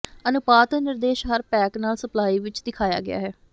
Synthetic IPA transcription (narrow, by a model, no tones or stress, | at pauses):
ənʊpaːt̪nɪɾd̪eːʃɦəɾpɛːknaːlsəplaːiːʋɪt͡ʃd̪ɪkʰaːja̰ːɡɪ̰a̰ːɦɛː